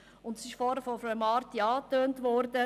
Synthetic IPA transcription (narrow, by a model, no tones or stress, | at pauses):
ʊndsɪʃfɔɾəfɔfɾɛmɑːɾt̪iɑːt̪øːntʋɔrdə